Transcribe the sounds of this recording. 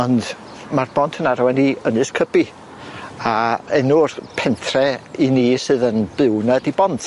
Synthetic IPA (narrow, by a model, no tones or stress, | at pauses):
ɔnd | marb̥ɔntʰənaɾɔwɛniːənɨskʰəbi | aɛnurpʰɛntʰrɛiniːsɨːðənb̥ɪwnadibɔntʰ